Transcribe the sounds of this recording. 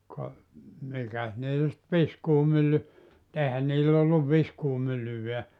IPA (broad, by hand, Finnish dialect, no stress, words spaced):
kɑ mikæs niːl sit ʋiskuːmylːy ʔeˑihæn niːlː olːuʋ ʋiskuːmylːyʋeæ